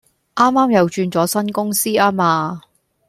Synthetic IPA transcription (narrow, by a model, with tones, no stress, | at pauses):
ʔaː˥mːaː˥mjɐ˨wt͡ʃyː˧nt͡sɔː˨˥sɐ˥nkʊ˥ŋsiː˥aː˥maː˧